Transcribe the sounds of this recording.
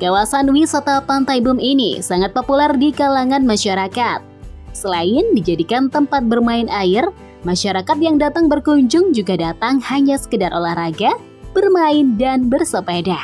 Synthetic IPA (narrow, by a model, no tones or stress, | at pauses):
kawasanwisat̪apant̪ajbʊminḭsaŋat̪̚populɛrdikalaŋanmaʃaɾakat̪̚səlaɪndid͡ʒadikant̪əmpat̪̚bərmaɪnʔaɪr | maʃaɾakat̪̚jaŋdat̪aŋbərkuɲd͡ʒʊŋd͡ʒuɡadat̪aŋhaɲasə̥kədarʔolahraɡa | b̥ərmaɪndanbərsəpedah